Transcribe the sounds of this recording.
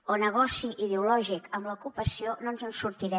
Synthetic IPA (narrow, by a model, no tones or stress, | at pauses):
onəɣɔsiʔiðeulɔʒikəmləukupəsiononzənsuɾt̪iɾɛ